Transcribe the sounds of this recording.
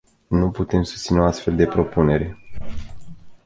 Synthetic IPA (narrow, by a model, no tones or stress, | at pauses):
nuput̪e̞msu̥st̪sineoast̪fe̞ld̪e̞pɾo̞pune̞ɾe̞